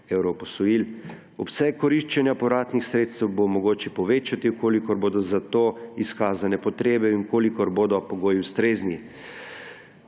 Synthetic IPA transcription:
ewɾɔpɔsɔjiːl | ɔpsɛkɔɾiʃt͡ʃɛnjapɔɾaːt̪nixsɾeːt̪st̪ɛwbomɔɡoːt͡ʃɛpɔʋeːt͡ʃat̪ikoːlikɔɾboːd̪ɔzat̪oːiskaːzanɛpɔt̪ɾeːbɛiŋkoːlikɔɾboːd̪ɔpɔɡoːjiwst̪ɾeːzni

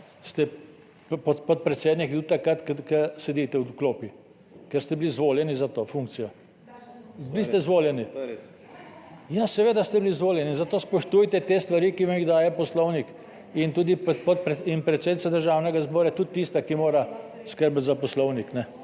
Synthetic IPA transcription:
st̪ɛ | ppɔt̪pɔt̪̚pɾɛt̪seːd̪nikt̪ut̪ːakat̪kkəsɛd̪iːt̪ɛwkloːpi | kɛɾst̪ɛbilizʋoːljɛnizat̪oːfuŋk̚t̪sijɔ | blist̪ɛizʋoːljɛni | jasɛʋeːd̪ast̪ɛbiliːzʋoːljɛninzat̪oːspɔʃt̪uːjt̪ɛt̪eːst̪ʋaɾiːkiʋamiɣd̪aːjɛpɔslɔwnik | int̪uːd̪ippɔt̪pɾɛinpɾɛt̪seːd̪it̪sad̪əɾʒaːwnɛɡazbɔːɾat̪ut̪̚t̪ːist̪akimoːɾa | skəɾbt̪zapɔslɔwniknɛ

